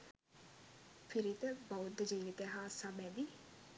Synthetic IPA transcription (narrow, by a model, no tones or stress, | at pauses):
fʰiɾit̪əbɐwd̪d͡ʒiːʋit̪eɦaːsɐmɛd̪i